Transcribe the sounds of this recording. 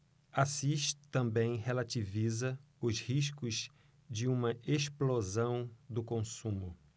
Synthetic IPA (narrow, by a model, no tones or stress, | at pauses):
asiʃt̪ɐ̃mbẽj̃helat͡ʃivizɐ | ʊzhiʃkʊz | d͡ʒɪũmɐeʃplozɐ̃w̃d̪ʊkõsũmʊ